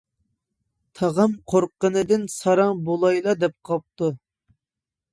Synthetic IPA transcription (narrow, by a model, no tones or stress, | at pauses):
t̪ʰɑʁɑmqʰoɾqːənɨd̪ɪnsɑɾɑŋbolˠɑjlˠɑd̪ɛp̚qʰɑp̚t̪u